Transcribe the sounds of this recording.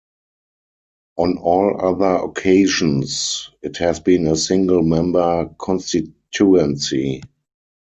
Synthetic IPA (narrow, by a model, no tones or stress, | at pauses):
ʔɔ̃nɔːlaðə˞ɔ̰kʰeɪʒɔ̃nsɪthɛzbĩːnəsɪ̃ŋɡəl̩mɛ̃mbə˞kʰɔ̃nstɪtʰuɛ̃nsi